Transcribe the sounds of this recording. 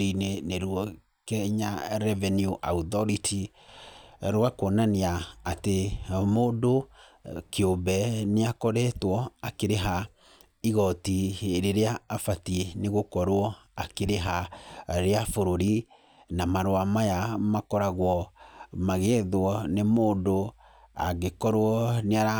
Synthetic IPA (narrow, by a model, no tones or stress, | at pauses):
ineneɾwɔ | kɛɲaɾɛvɛnjuʔautɔɾiti | ɾwakwɔnaneaːtemoːdo | keombɛneakɔɾɛtwɔakeɾeɦa | iɣɔtiɾeɾeaːfatieneɣokɔɾwɔ | akeɾeɦaɾeafoɾoɾi | namaɾoamajamakɔɾaɣwɔmaɣeðwɔnemoːndo | aɣekɔɾwɔneaɾa